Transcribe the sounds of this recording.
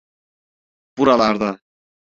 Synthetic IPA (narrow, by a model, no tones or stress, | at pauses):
b̥uɾalˠaɾd̪a